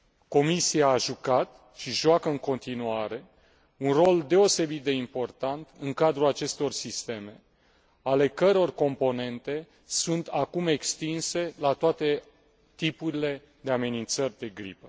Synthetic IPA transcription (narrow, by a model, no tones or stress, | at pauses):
ko̞misiaːʒukat̪ | ʃiʒoakəɨŋko̞nt̪inuaɾe̞ | unro̞ld̪e̞o̞se̞bit̪̚d̪e̞impo̞rt̪ant̪ɨŋkad̪ɾulat͡ʃe̞st̪o̞rsist̪e̞me̞ | ale̞kəɾeo̞rko̞mpo̞ne̞nt̪e̞ | sunt̪akume̞kst̪inse̞lat̪oat̪e̞ | t̪ipuɾile̞ | d̪e̞ame̞nint̪sərʲd̪e̞ɡɾḭpə